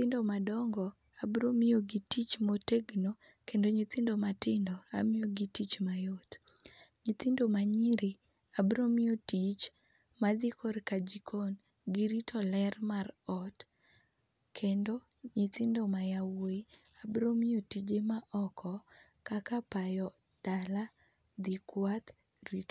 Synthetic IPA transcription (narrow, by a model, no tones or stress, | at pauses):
ɪndomadɔŋɡɔ | abɾomɪjoɡitit͡ʃmoteɡno | kendoɲit̪ɪndomatɪndɔa̰mijoɡitit͡ʃmajot | ɲit̪ɪndomaɲiɾi | abɾomɪjotit͡ʃ | mad̪ɪkʰoɾkad͡ʒikʰon | ɡiɾitʰɔlɛrmarɔt | kʰendo | ɲit̪ɪndomajawoi | abɾomiotid͡ʒemaʔɔkʰɔ | kakapajɔ | d̥ala | d̪ikwat̪ | rit